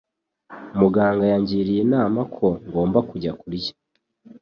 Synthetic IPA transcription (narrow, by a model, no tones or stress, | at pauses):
muɡaːŋɡajaɲɟiːɾijinaːmakʰo̞ŋɡo̞ːmbakuɟakuɾicḁ